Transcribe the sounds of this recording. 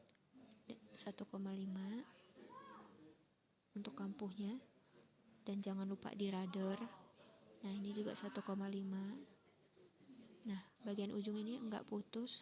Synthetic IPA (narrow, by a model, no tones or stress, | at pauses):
dsat̪ukomalima | unt̪ʊkːampuhɲa | d̥and͡ʒaŋanlupa̰diɾadər | nahinid͡ʒuɡa̰ʔsat̪ukomalima | nahbaɡianʔud͡ʒʊŋiniəŋɡa̰ʔput̪ʊs